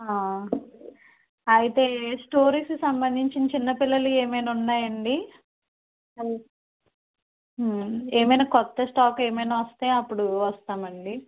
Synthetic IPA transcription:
aː | ɐjit̪e̞ːsʈoːɾiːskusɐmbɐnd̪ʱiɲt͡ʃint͡ʃinːɐpilːɐlueːmɐjnunːaːjɐɳɖi | ɐ | eːmɐjnaːkɔt̪ːɐsʈaːke̞ːmɐjnaːʋɐst̪eːɐpːuɽuʋɐst̪aːmɐɳɖi

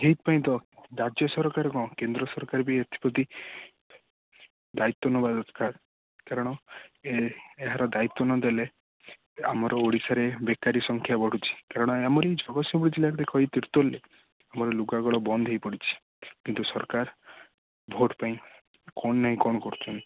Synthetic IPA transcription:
ɦejt̪̚paĩt̪ɔɾad͡ʒjɔsɔɾkaɾɔkɔ̃kend̪ɾɔsɔɾkaɾbiet̪ʰi̥pɔt̪i | d̪ait̪ːɔnɔbad̪ɔt̪ʰkʰaɾ | kaɾɔɽ̃ɔeeɦaɾɔd̪ait̪ːɔnɔd̪ele | a̰mɔɾɔoɽisaɾebekaɾisɔŋkʰjabɔɽ̤ut͡ʃʰi̥kaɾɔɽ̃ɔamɔɾed͡ʒɔɡɔsjɔbuɽid͡ʒilaɾd̪ekʰɔɦit̪iɾt̪ɔlːe | amɔɾɔluɡaɡɔɭɔbɔnd̪ʱɦejpɔɽit͡ʃʰi̥ | kint̪usɔɾkaɾ | bʱoʈpaĩ | kɔɳ̃naɦĩkɔñɔkɔɾut͡ʃʰɔni

